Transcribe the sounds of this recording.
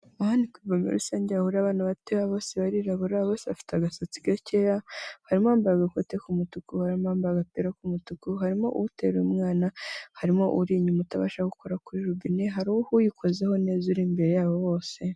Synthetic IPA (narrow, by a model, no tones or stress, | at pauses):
ahandikwibomḛɾusaːɲɟeahuɾaβaːnaβateaβo̞ːseβaɾiɾaβuɾaβoːseβafi̥taɡasot͡si̥ɡacejahaɾimaːmbaɡakotekumutukuhaɾimoaːmbaɡapeɾakumutukuhaɾimo̞̰ʔuutḛɾeumŋaːnahaɾimo̞ʔuɾiɲumutaβa̰ːʃaɡukoɾakuɾiɾubineɦaɾuhujikʰo̞zeho̞neːzuɾimbe̞ɾe̞jaːβo̞βo̞ːse̞